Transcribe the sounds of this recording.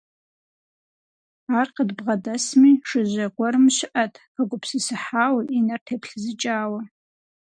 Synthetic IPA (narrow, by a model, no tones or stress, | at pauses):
aːrqədbʁɐdɐsmiʂɨʒʷɐɡʷɐɾɨmɕɪʔɐtʰʼpaɡʷʼʊpʰsisɨħaːwʔinɐrtʰepʰɬzɨt͡ʃʼaːwɐ